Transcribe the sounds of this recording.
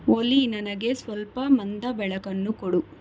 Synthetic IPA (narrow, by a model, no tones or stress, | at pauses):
olinɐnɐɡe̞sʋɐlpɐmɐnd̪ɐbɛɭɐkɐnːukoɽu